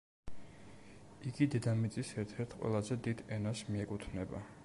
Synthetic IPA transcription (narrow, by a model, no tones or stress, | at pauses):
iɡid̪ɛd̪amit̪sʼisɛɾt̪ʰɛɾt̪ʰqʼwɛ̰lˠazɛd̪id̪ɛnasmiɛkʼut̪ʰnɛba̰